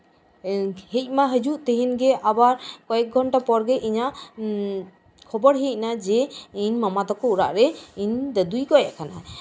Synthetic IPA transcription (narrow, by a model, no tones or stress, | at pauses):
hec̚ˀmaɦəd͡ʒuʔt̪əɦinɡɛʔabaɾkɔjɛk̚ɡʱɔnʈapɔɾɡɛʔiɲaʔ | kʰɔbɔɽɦic̚nad͡ʒɛiɲmamad̪ɔkɔuɾa̰ʔɾɛiɲd̪əd̪ujkɔjaʔkʰana